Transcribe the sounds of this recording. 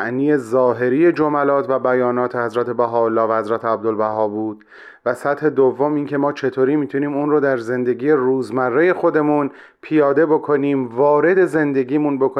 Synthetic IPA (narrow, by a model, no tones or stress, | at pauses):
ʔniːezɒːɦe̞ɾije̞d͡ʒo̞mælɒːt̪ʰvæbæjɒːnɒːt̪ʰehæzɾæt̪ʰe̞bæɦɒːolːɒːvæhæzɾæt̪ʰeæb̚d̪olbæɦɒːbuːd̪̥ | væsæt̪he̞d̪ovːo̞miːncʰe̞mɒːt͡ʃʰe̞t̪ʰoːɾiːmiːt̪ʰuniːmuːnrod̪æɾze̞nd̪e̞ɡiːe̞ruːzmærːe̞je̞xo̞d̪e̞muːn | pʰijɒːd̪e̞bo̞kʰo̞niːmvɒːɾe̞d̪e̞ze̞nd̪e̞ɡʲiːmunbo̞kʰo